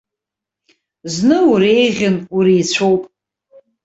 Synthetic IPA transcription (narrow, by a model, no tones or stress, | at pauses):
znɨuɾejʁʲɪnuɾiːt͡ɕʷʰowpʼ